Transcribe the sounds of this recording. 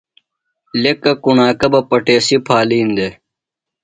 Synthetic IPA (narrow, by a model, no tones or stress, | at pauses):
lekːɐkuɳaːkɐbɐpɐʈeːsipʰaːliːnd̪e